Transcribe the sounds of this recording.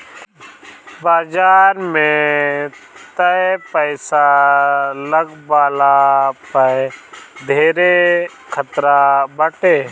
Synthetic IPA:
baːd͡ʒaːɾmẽ | t̪əpəɪsa | ləɡbaːlapə | d̪ʱeːɾe | kʰət̪ɾabəʈeː

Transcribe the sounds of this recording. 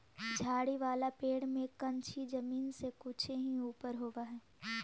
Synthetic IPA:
d͡ʒʱaːɽiʋaːlapeːɽmẽkɐ̃nt͡ʃʰid͡ʒɐmiːnsekut͡ʃʰeɦiuːpəɾɦoːɡaɦɛː

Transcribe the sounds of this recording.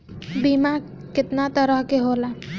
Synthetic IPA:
bima | kɪt̪nat̪əɾəɦkeɦola

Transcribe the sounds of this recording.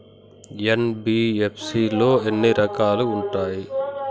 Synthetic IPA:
enbiːepʰsiːlo̞ːenːiɾɐkaːluːɳʈaːji

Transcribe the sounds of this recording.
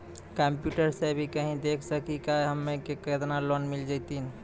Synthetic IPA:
kəmpjuʈəɾsebʱikəɦĩd̪ekʰsəkikaɦəmːekekət̪nalonmild͡ʒajt̪in

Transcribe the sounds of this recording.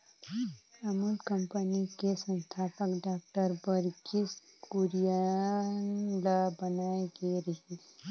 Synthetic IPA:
ɐmulkə̃mpənikesə̃nt̪ʰaːpəkɖaːk̚ʈəɾbəɾɡis | kuɾijanlabɐnaːeɡeɾɐɦi

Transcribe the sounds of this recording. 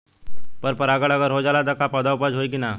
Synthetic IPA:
pəɾpəɾaɡəɽəɡəɾɦod͡ʒaːlat̪akapəd̪aupəd͡ʒɦoikina

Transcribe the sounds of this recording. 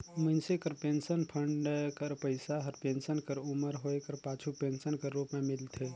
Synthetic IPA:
mənsekəɾpensənpʰəɳɖkəɾpəɪsaɦəɾpensənkəɾuməɾɦoekəɾpaːt͡ʃʰupensənkəɾːupmemɪlt̪ʰe

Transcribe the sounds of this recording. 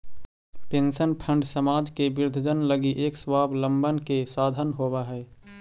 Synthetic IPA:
pẽnsənpʰə̃ɳɖsəmaːd͡ʒkebɪɾd̪ʱəd͡ʒənləɡiʔeːkswaːblə̃mbənkesaːd̪ʱənɦobaɦɛː

